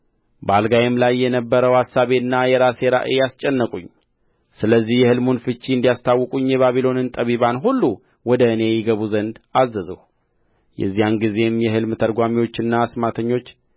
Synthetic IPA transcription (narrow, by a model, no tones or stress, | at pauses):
bəalɡajemlajːɛnəbːəɾəwasːaβeɨnːajɛɾaseɾa̰ʔejast͡ʃʼɛnːəkʼuɲ | sɨləzːihjɛhɨlmunfɨt͡ʃːiɨnd̪ijast̪ʰawːɨkʼuɲːjɛβaβilo̞nɨnt̪ʼəβiβanɦulːu | wɔd̪əɨne̞jɪɡəβuzənd̪azːəzəhu | jɛ̰zːijanɡize̞mjɛhɨlmt̪ʰəɾɡʷamiwo̞t͡ʃːɨnːaːsmat̪ʰəɲːo̞t͡ʃː